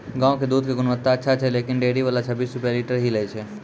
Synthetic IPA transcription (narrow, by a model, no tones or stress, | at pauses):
ɡãːõked̪uːd̪ʱkeɡʊnʋət̪ːaətːʃʰat͡ʃʰɛlekinɖeɽiʋalat͡ʃʰəbiːsɾupjaliʈəɾɦiləjt͡ʃʰɛ